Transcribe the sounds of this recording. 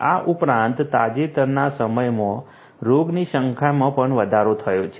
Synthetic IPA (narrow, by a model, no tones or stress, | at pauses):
aʔupɾãnt̪ːad͡ʒet̪əɾnasəməjmõ | ɾoɡniʃəŋkʰamãpəɳʋəd̪ʱaɾot̪ʰəjot͡ʃʰe